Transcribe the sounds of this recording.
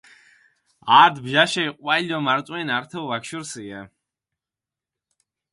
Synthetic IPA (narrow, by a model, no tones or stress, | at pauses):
aːd̪bʒaʃɛiqʼwailʲɔmaɾt̪sʼwɛnaɾt̪ʰɛvakʃuɾsiɛ